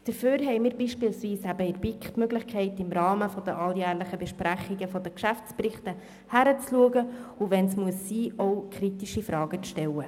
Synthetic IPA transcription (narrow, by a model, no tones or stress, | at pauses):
d̥əɾføːɾɦɛɪmiːɾbiːʃpiːlsviːsæbəɪɾbɪkχtmøɡlɪχkʰɛɪtɪmɾɑːməfɔd̥̪əʔɑljæːɾləχəbɛʃpɾæχiɡəfɔd̥əkʃæft͡sprɪχtə | hæɾət͡sluəɡəʊʋɛnsmuəsːiːɔʊkχɾitiʃifɾʔɑːɡət͡sʃtɛwə